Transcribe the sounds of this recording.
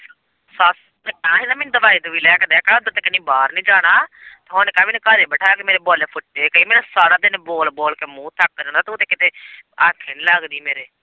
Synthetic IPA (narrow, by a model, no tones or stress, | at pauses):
saːs | kːãːɦɪnaːmɛnd̪əʋaːiːd̪uʋiːlɛːkd̪ɛːkaːʊd̪aːt̪eːkənĩːbaːɾnĩːd͡ʒaːɽ̃aːt̪eɦonkãːʋinekaːɾeːbəʈʰaːkemeːɾeːboːleːpʰʊʈːeːkəiːmeːnasaːɽaːd̪ɪnboːlboːlkeːmũːt̪ʰak̚ːəɾõnd̪aːt̪eʊt̪eːkɪt̪eːaːkʰːenːlaːɡd̪iːmeːɾeː